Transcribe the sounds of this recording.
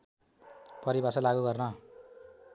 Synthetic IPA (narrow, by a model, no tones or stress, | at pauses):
pʌɾibasʌlaɡuɡʌrnʌ